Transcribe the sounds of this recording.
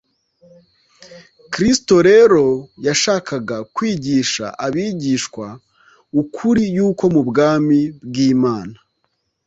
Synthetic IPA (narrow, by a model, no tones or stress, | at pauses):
kɾisto̞ɾeɾo̞jaʃaːkʰaɡakwiːɟiːʃa̰ʔaβiːɟiʃkwa | ukʰuɾijuːko̞mubɡaːmibɡiːmaːna